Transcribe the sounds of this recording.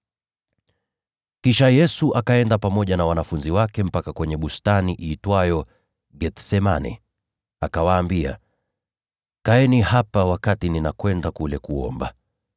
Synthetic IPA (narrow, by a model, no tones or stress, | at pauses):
kiʃajɛsuʔakaɛndapamɔʄanawanafunziwakɛm̩pakakwɛɲɛɓustaniʔitwajɔ | ɠɛt̪sɛmanɛ̰ | akawaːmbia̰ | kaɛnihapawakatininakwɛndakulɛkuɔ̰mba̰